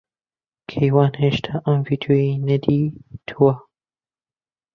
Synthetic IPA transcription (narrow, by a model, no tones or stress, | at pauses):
kʰejwaːnheːʃt̪ʰaʔɐmviːd̪ʰoːjinɐd̪iːt̪ʰuwɐ